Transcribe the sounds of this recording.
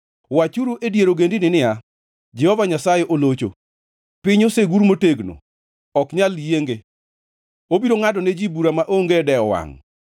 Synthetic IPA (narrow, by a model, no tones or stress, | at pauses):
wat͡ʃuɾuʔedjeɾoɡendinɪnɪja | d͡ʒɛhɔvaɲasajeʔolot͡ʃo̰ | pɪɲoseɡuɾmoteɡno̰ | ɔkɲaljeŋɡe | obiɾoŋadɔned͡ʒibuɾamaʔoŋɡedɛɔwa̰ŋ